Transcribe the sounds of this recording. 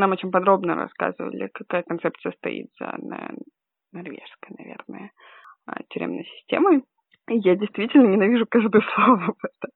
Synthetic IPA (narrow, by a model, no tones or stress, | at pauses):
namot͡ɕɪnʲpɐd̪ɾo̞bnə̰ɾɐ̰ska̰zɨvə̰lʲɪ̰kɐkajəkɐnt̪sɛp̚t̪sɨjəst̪ɐ̰ḭt̪z̥ə̰nə̰ | nɐrvʲḛʂskəjnɐ̰vʲḛrnəjə | ə̰tʲʏɾʲḛmnəjsʲɪ̥sʲtʲemə | jadʲɪjst̪vʲitʲɪlʲnənʲɪnɐvʲiʐʊkaʐd̪əjəslˠovʊbat̪ə